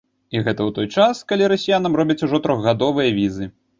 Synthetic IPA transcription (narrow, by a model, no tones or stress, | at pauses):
iɣɛt̪ɐwt̪ɔjt͡ʂaskalʲiɾɐsʲijanɐmrɔbʲɐt͡sʲuʐɔt̪ɾɔɣɣad̪ɔvɨjɐvʲizɨ